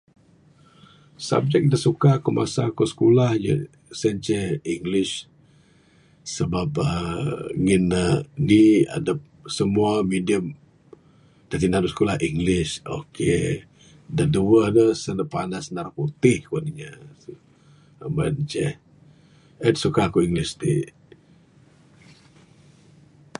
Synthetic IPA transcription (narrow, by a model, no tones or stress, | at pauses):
sa̰b̚d͡ʒɛk̚dəsukakəma̰sakosə̥kulahjə̰ | sənt͡ʃɛhiŋɡlɪʃ | səbapəŋinənia̰də | səmuamidiəm | t̪at̪inaɾuskulahiŋɡlɪʃo̰ke | daduəhdəsənəpanasnaɾaput̪ɪhkuaniɲa | əmə̰nt͡ʃɛh | ət̪sukakuiŋɡlɪst̪ḭ